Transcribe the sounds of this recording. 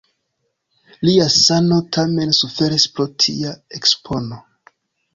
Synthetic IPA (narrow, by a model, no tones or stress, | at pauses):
liasano̞tʰame̞nsufe̞ɾispɾotʰḭaekspʰo̞no̞